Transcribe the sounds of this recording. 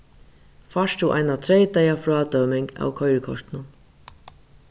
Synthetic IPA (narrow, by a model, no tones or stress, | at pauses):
faʂt̪uʔa̰jnat̪ʰɾejt̪ajafɾɔːt̪œwmɪŋka̰wkʰɔjɾɪkʰɔ̰ʂt̪ɪnʊn